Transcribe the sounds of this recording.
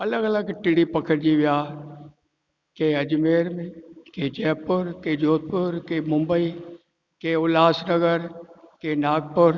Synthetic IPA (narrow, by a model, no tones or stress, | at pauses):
ɐləɡɐləɡʈɪɽipɐkʰəɾd͡ʒiʋɪjaː | keɐd͡ʒmeːɾmẽked͡ʒɛːpʊɾkeːd͡ʒoːt̪̚pʊɾkeːmʊ̃mbəi | keʊlaːsnəɡəɾkenaːɡ̚pʊɾ